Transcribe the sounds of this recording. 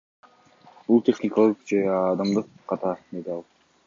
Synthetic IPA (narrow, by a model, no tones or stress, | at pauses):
bulˠt̪ʲe̞χnʲɪkɑlˠɯqd͡ʒeɑd̪ɑmd̪ɯqːɑt̪ɑɾd̪ed̪ɪɑlˠ